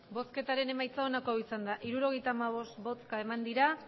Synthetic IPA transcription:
bo̞ske̞t̪aɾe̞ne̞majt͡saonako̞awisand̪aʔiɾuɾo̞ɣejt̪aːmaβ̞o̞st̪bo̞t͡skae̞mand̪iɾa

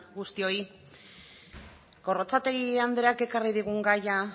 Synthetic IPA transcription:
ɡust̪io̞i | ɡo̞ro̞t͡sat̪e̞ɣiand̪e̞ake̞kariðiɣ̞uŋɡaja

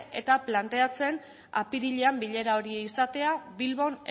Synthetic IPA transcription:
ʔe̞̰t̪aplant̪e̞at͡se̞n | a̰piðiʎeambiʎe̞ɾao̞ɾieisat̪e̞aβilβo̞ne

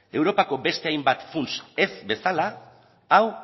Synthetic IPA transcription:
e̞wɾo̞pako̞be̞st̪e̞ajmbat̪funse̞zbe̞salaː | w

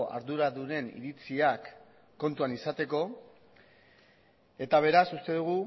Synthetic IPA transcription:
a̰ɾðuɾaðuɾe̞nḭɾit͡siakː | o̞nt̪uanisat̪e̞ko̞ | e̞t̪aβ̞e̞ɾasust̪e̞ðuɣ̞u

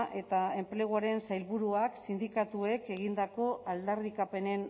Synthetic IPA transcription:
ʔe̞t̪ae̞mple̞ɣ̞uaɾe̞nsajlβuɾuaksind̪ikat̪ue̞ke̞ɣ̞ind̪ako̞ʔald̪arikape̞ne̞n

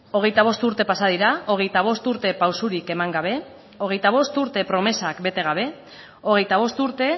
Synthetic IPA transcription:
o̞ɣ̞e̞jt̪aβ̞o̞st̪uɾt̪e̞pasaðiɾao̞ɣ̞e̞jt̪aβ̞o̞st̪uɾt̪e̞pawsuɾike̞maŋɡaβ̞e̞ | o̞ɣ̞e̞jt̪aβo̞st̪uɾt̪e̞pɾo̞me̞sakbe̞t̪e̞ɣ̞aβ̞e̞ | o̞ɣe̞jt̪aβ̞o̞st̪uɾt̪e̞

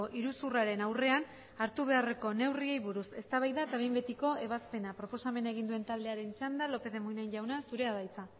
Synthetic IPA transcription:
oʔiɾusuraɾe̞nawre̞an | aɾt̪uβ̞e̞are̞ko̞ne̞wrie̞jβuɾuse̞st̪aβajðaet̪aβe̞jmbe̞t̪iko̞e̞β̞aspe̞napɾo̞po̞same̞naeɣ̞ind̪ue̞nt̪ald̪e̞aɾe̞nt͡ʃand̪alo̞pe̞ðe̞mujnajɲʎawnasuɾe̞aðajt͡sa

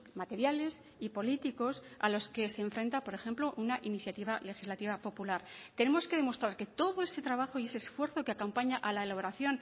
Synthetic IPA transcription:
mat̪e̞ɾjale̞s | ipo̞lit̪iko̞sa̰lo̞ske̞se̞ːɱfɾe̞nt̪apo̞ɾe̞xe̞mplo̞ʔunaʔiniθjat̪iβale̞xizlat̪iβapo̞pulaɾt̪ene̞mo̞ske̞ðe̞mo̞st̪ɾaɾke̞t̪o̞ðo̞e̞se̞t̪ɾaβ̞axo̞ie̞seːsfwe̞ɾθo̞keakompaɲaʔalaelaβ̞o̞ɾaθjo̞n

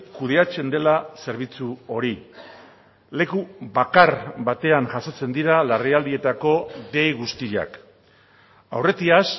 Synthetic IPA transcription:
kuð̞e̞at͡se̞nd̪e̞lase̞ɾβ̞it͡suo̞ɾi | le̞kuβakarbat̪e̞aŋʝasot͡se̞nd̪iɾalariald̪ie̞t̪ako̞ðe̞jɣust̪iʎa̰k | a̰wre̞t̪ias

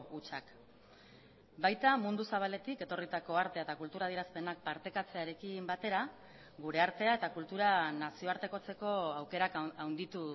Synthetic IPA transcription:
ut͡ʃak | bajt̪amund̪usaβ̞ale̞t̪ike̞t̪o̞rit̪ako̞aɾt̪eaet̪akult̪uɾaðieɾaspe̞nak̚paɾt̪e̞kat͡se̞aɾe̞kimbat̪e̞ɾa | ɡuɾe̞aɾt̪e̞ae̞t̪akult̪uɾanasio̞aɾt̪e̞ko̞t͡se̞ko̞awke̞ɾakawnd̪it̪u

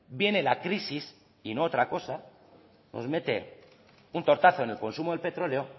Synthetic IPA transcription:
bje̞ne̞lakɾisis | ino̞ot̪ɾako̞sa | nʔo̰zme̞t̪e̞ | unt̪o̞ɾt̪aθo̞ene̞lko̞nsumoðelpe̞t̪ɾo̞leo̞

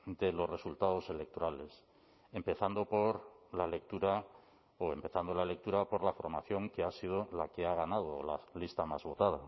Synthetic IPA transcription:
d̪e̞lo̞sre̞sult̪að̞o̞se̞le̞k̚t̪o̞ɾale̞s | e̞mpe̞θand̪o̞po̞ɾlale̞k̚t̪uɾa | oe̞mpe̞θand̪o̞laele̞k̚t̪uɾapo̞ɾlafoɾmaθjo̞ŋke̞asið̞o̞lake̞aɣ̞anað̞olalist̪amazβo̞t̪að̞a

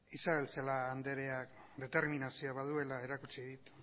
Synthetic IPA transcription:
isaβe̞lt͡salaːnd̪e̞ɾe̞ak | d̪e̞t̪eɾminasioaβaðue̞lae̞ɾakut͡ʃiðit̪

